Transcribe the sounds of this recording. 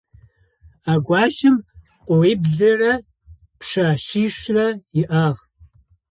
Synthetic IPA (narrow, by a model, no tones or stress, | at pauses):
aːɡʷɑːʃɪm | qʷʼowiːbzɐrɐ | pʰʂaːɕiːʃrɐjɪʔaːʁ